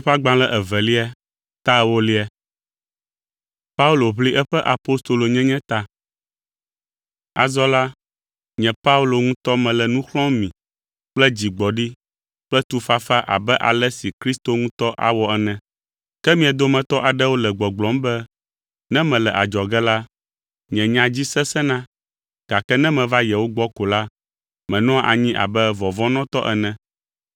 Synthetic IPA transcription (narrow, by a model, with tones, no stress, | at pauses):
ɸa˦ɡ͡bã˨lɛ˦˨ʔɛ˨vɛ˨li˦a˦ | t̪a˦wo˦li˦ɛ˨ | pa˦u˦lo˨βli˦ʔɛ˦ɸɛ˦ʔa˨po˦st̪o˨lo˨ɲɛ̃˦ɲɛ̃˦t̪a˦ | a̰˨zɔ˦la˦ | ɲɛ̃˨pa˦u˦lo˨ŋũ˦t̪ɔ˦mɛ̃˨lɛ˨nũ˦xlɔ̃˦mĩ˨ | k͡plɛ˦d͡ʑi˨ɡ͡bɔ˨ɖi˦ | k͡plɛ˦t̪u˨fa˦fa˦ʔa̰˨bɛ˦ʔa̰˨lɛ˦si˨kɾi˦st̪o˦ŋũ˦t̪ɔ˦ʔa̰˨wɔ˦ɛ˨nɛ̃˨ | kɛ˦mĩ˦ɛ˨d̪o˦mɛ̃˨t̪ɔ˦ʔa˨ɖɛ˦wo˦lɛ˨ɡ͡bɔ˨ɡ͡blɔ̃˨˦mbɛ˦ | nɛ̃˦mɛ̃˨lɛ˨ʔa˨d͡ʒɔ˨ɡɛ˦la˦ | ɲɛ̃˨ɲã˨d͡ʑi˦sɛ˦sɛ˦nã˦ | ɡ̥a˨kɛ˦nɛ̃˦mɛ̃˨va˦jɛ˨wo˦ɡ͡bɔ˦ko˨la˦ | mɛ̃˨nɔ̃˦a˦ʔa̰˨ɲĩ˦ʔa̰˨bɛ˦vɔ˨vɔ̃˦nɔ̃˦t̪ɔ˦ʔɛ˨nɛ̃˨